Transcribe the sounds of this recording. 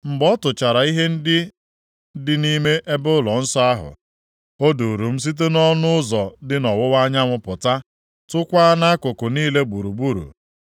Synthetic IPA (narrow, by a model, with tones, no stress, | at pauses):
m̩˨ɡ͡bɔ˦tʊ˨t͡ʃa˨ɾa˨i˦ɦe˦n̩˦dɪ˦ | dɪ˦ni˦me˦ʔe˦bʊ˦lɔ˨n̩˦sɔ˦a˦ɦʊ̰˨ | o˦du˨ɾu˨m̩˦s̬i˦t̬e˦nɔ˦nʊ˦ʊ˦zɔ˨dɪ˦nɔ˨wʊ˦wa˦ɲa˦ŋʷʊ˨pʊ˨ta˦ | tʊ˦kʷa˦na˦kʊ˨kʊ˨niː˦le˦ɡ͡bu˨ɾu˨bu˦˨ɾṵ˨